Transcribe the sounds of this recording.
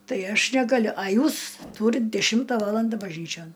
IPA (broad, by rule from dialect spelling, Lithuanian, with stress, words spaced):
ˈtɐɪ ˈɐʃ nʲɛɡɐˈlʲʊ ɐ ˈjuːs ˈtuːrʲɪt ˈdʲæːʃʲɪmtɐ ˈʋɑːlˠɐndɐ bɐʒʲˈnʲiːt͡ʃʲoːn